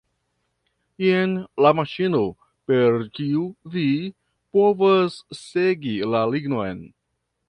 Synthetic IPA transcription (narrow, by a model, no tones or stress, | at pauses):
ienlamaʃino | pe̞ɾkiuvi | po̞vasːeɡilaliɡno̞jn